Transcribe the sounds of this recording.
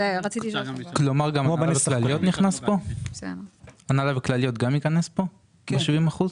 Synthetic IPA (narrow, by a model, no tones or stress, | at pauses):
ʁat͡sit̪iiʃoklo̞maʁɡamaanavklalijot̪niχnaspo̞samanalaveklalijo̞t̪ɡamikanespo̞ | beʃivimaχuz